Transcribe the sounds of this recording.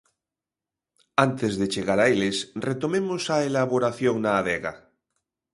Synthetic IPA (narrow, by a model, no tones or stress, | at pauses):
ant̪ezðet͡ʃeɣaɾaelesret̪omemosaelaβoɾaθjoŋnaːβeɣa̰